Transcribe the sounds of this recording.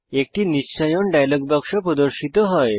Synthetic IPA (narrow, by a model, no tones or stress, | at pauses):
ek̚ʈiːnisɕajɔɳɖajlɔɡ̚bakʂɔpɾɔd̪ɔɾɕit̪ɔɦɔj